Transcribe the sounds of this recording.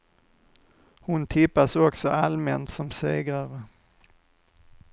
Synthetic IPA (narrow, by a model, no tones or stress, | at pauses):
hʊnt̪ʰɪpːasɔksɔalmɛnt̪sɔmseːɡɾaɾə